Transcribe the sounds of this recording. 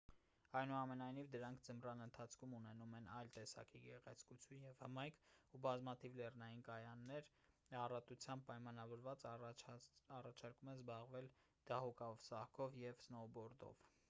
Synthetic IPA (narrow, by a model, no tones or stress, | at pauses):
ɑjnuɑmɛnɑjnivd̪əɾɑŋkʰd͡zəmrɑnənt̪ʰɑt͡sʰkʰumunɛnumɛnɑjlt̪ɛsɑ̰kiɡɛʁɛt͡sʰkut͡sʰjunjɛvhəmɑjkʰubɑzmɑt̪ʰivlɛrnɑjinkɑjɑnːɛɾ | ɑrɑt̪ut͡sʰjɑmb̚pɑjmɑnɑvɔɾvɑt͡s | ɑrɑt͡ʃʰɑɾkumɛzbɑʁvɛl | d̪̥ɑhukɑɔvsɑhkʰɔvjɛvsnɔbɔɾd̪ɔ̰v̥